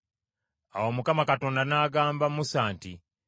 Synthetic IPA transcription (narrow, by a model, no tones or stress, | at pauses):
a̰womukamakato̞ːndanaːɡaːmbamusaːnti